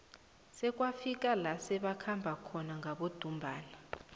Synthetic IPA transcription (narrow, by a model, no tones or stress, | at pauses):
sɛk̬ʼwafik̬ʼalasɛɓakʰambʱakʰɔnaŋɡʱaɓod̥ʱumbʱaːna